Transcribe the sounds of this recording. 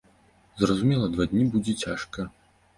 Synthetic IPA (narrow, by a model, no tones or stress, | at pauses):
zrɐzumʲɛlˠɐd̪vad̪ʲnʲibud͡zʲɛt͡sʲaʂkɐ